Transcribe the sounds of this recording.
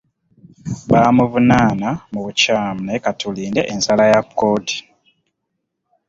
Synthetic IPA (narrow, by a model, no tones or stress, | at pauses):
βaːmuvunaːnamuβucaːmnekatuliːndeʔensalajakːo̞ːti̥